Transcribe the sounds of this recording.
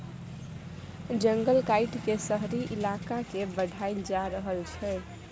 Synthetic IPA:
d͡ʒəŋɡəlkaɪʈkesəɦɾiʔilakakebəɖʱajnd͡ʒaɾəɦəlt͡ʃʰɛ

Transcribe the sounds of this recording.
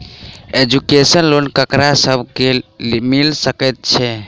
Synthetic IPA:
ed͡ʒukesənlonkəkɾasəbʱkelmilsəkɛt̪̚t͡ʃʰɛ

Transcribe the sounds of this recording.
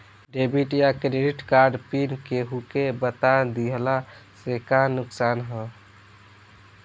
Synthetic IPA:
ɖebiʈjakɾeɖiʈkaɾɖpinkeɦukebət̪ad̪iəlasekanuksanɦə

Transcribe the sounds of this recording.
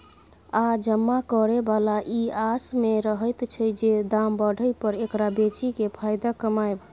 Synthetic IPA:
ad͡ʒəmːakɔɾebalaʔiasmeɾəɦəjt̪t͡ʃʰəjd͡ʒed̪ambəɽ̤ʱəjpəɾekɾabet͡ʃikepʰajd̪akəmaeb

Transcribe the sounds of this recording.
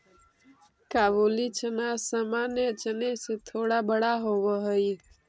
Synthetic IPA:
kaːʋoːlit͡ʃʰənasamaːnjət͡ʃəneset̪ʰoːɽaːbəɽaːɦoʋəɦəi

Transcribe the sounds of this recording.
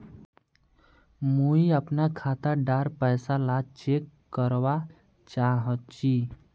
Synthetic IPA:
muiəpnakʰat̪əɖaɾpəjsalat͡ʃekːəɾʋa | t͡ʃaɦətt͡ʃʰi

